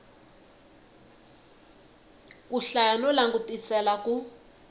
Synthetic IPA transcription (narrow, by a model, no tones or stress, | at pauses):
kuɬanulaŋɡutisɛlaku